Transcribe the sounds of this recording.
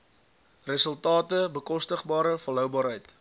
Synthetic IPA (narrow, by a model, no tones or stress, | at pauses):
rəsəlˠtɑːtəbəkɔstəχbɑːɾəfəlɦœwbɑːɾɦəjt